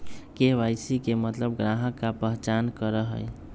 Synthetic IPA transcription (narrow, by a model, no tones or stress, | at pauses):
keʋajsikemət̪ləbɡɾaɦəkːapəɦt͡ʃankəɾəɦə̰j